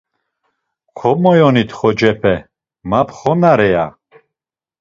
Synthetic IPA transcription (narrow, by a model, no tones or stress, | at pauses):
kʰɔmɔjɔnit̪ʰχɔd͡ʒɛpʰɛ | mapʰχɔnaɾɛja